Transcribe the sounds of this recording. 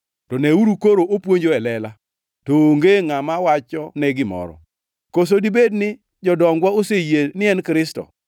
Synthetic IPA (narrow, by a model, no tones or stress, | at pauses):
tɔneuɾukoɾoopwoɲd͡ʒoɛlɛla | tooŋɡeŋamawat͡ʃɔnɛɡɪmɔ̰ɾɔ̰ | kos̬odibednɪ | d͡ʒɔdɔŋɡwaosejenɪɛnkɾɪstɔ̰